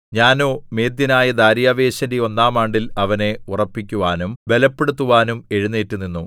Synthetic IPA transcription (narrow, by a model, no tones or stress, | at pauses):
ɲaːno̞ːme̞ːd̪jɐnaːjɐd̪aːɾjaːʋe̞ːɕɐndeo̞nːaːmaːɳɖilɐʋɐne̞urɐpːikʲːuʋaːnumbe̞lɐpːe̞ɽut̪̬ːuʋaːnume̞ɻunːeːtːunːinːu